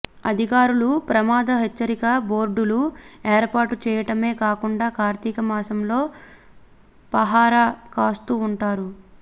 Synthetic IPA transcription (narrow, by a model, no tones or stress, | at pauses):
ɐ̰d̪ʱikaːɾulupɾɐmaːd̪ɐɦet͡ʃːɐɾikɐbo̞ːɾɖulueːɾpaːɾʈut͡ʃɛːjɐʈɐme̞ːkaːkuɳɖaːkaːɾt̪ikɐmaːsɐmlo̞ː | pɐɦaːɾɐkaːst̪uːɳʈaːɾu